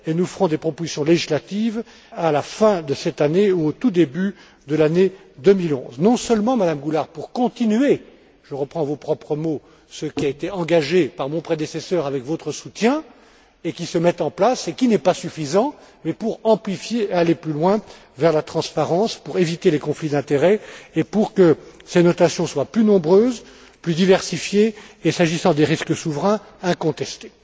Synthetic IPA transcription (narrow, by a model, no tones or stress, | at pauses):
enufəʁɔ̃d̪epχɔpozisjɔ̃leʒislat̪iv | alafɛ̃d̪əsɛt̪aneuot̪ud̪eby | d̪əlane | d̪əmilɔ̰̃znɔ̃sœlmɑ̃mad̪amɡulaʁpuʁkɔ̃t̪inye | ʒ̥əʁəpχɑ̃vopχɔpχəmo | səkʲiaet̪eɑ̃ɡaʒepaʁmɔ̃pχed̪esesœːʁavɛkvot̪χəsut̪jɛ̃ | ekʲisəmɛt̪ɑ̃plasekʲinɛpasyfizɑ̃ | mɛpuʁɑ̃plifjealeplylwɛ̃ | vɛʁlat̪χɑ̃spaʁɑ̃spuʁevit̪elekɔ̃flid̪ɛ̃t̪eʁɛepuʁkəsenɔt̪asjɔ̃swaplynɔ̃bʁøːz | plyd̪ivɛʁsifjeːsaʒisɑ̃d̪eʁiskəsuvʁɛ̃ | ɛ̃kɔ̃t̪ɛst̪e̥